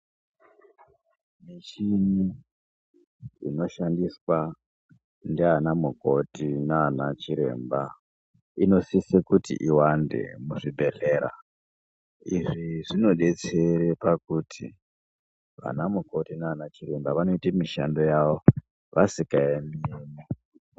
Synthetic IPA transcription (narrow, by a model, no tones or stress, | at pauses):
mit͡ʃini | ino̞ʃandiswa | ndeanamuko̞tinaanat͡ʃiɾe̞̰mba | ino̞sisekutḭʔiwande̞̰muʐibʱe̞ɮe̞ːɾa̰ | iʐiʐino̞ɗe̞t͡se̞ɾepakutʰḭ | ʋa̰namuko̞tinaanat͡ʃiɾe̞mbaʋano̞itamiʃa̰ndo̞jaʋo̞ | ʋasikaemiːni